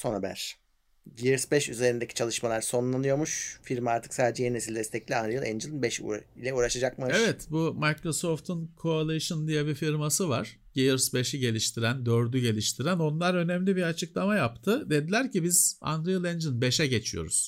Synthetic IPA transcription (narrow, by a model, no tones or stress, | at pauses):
so̞nabæ̰ɾ̥ | ɟeɯɾsbɛʃyze̞ɾind̪ecʰi̥t͡ʃʰalˠɯʃmalˠaɾso̞nlˠanˠɯjo̞ɾmuʃfiɾmaaɾt̪ʰɯ̥ksaːd̪ed͡ʒɛjeɾnesilʲd̪ɛst̪ʰɛclʲianɾoɯlˠɛ̰nd͡ʒɯlˠinbɛʃṵilʲɛuːɾaʃad͡ʒakmaevɛt̪bumajkɾo̞so̞ft̪ʰɯnkʰoalˠajɯʃɯnd̪ijɛbifiɾmasɯva̰ɾ̥ | ɟ̥eɯɾsbe̞ʃiɟe̞lʲiʃt̪ʰiɾænd̪øɾd̪yɟe̞lʲiʃt̪ʰiɾæno̞nlˠaɾø̞nɛmlʲibiat͡ʃʰɯklˠamajapt̪ʰɯd̪e̞d̪ilʲæɾcibiz̥a̰nd̪ɾojɯlˠɛnd͡ʒɯnbe̞ʃɛɟe̞t͡ʃʰijo̞̰ɾṵz̥